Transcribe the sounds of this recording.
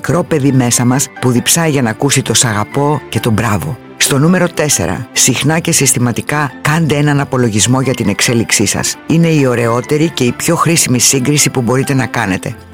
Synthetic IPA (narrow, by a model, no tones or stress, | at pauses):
mikɾo̞pe̞ðime̞sɐmɐspuðipsɐiʝɐnɐkusit̪o̞sɐɣɐpo̞ce̞t̪o̞bɾɐvo̞̰ | st̪o̞nume̞ɾo̞t̪e̞se̞̰ɾɐ̰sixnɐce̞sist̪imɐt̪ikɐkɐnd̪eenɐnɐpo̞lo̞ʝizmo̞ʝɐt̪ine̞kse̞liksisɐ̰sine̞io̞ɾe̞o̞t̪e̞ɾice̞ipço̞xɾisimisiŋɡɾisipubo̞ɾit̪e̞nɐkɐne̞t̪e̞̰